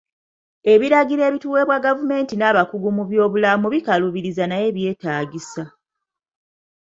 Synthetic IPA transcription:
e̞βiɾaɡiɾe̞ːβituːwe̞βwaɡavume̞ːntinaːβakuɡumuβjo̞ːβulamuβikaluβiɾizanaje̞βje̞ːtaːɡisa

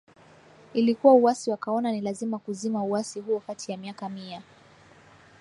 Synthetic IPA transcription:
ilikuwauwasiwakaɔnanilazimakuzimauwasihuɔkatʰijamiakamia

